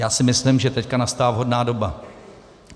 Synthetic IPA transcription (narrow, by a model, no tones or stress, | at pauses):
jaːsɪmɪslɪmʒɛt̪ɛckanast̪aːavɦo̞dnaːdo̞ba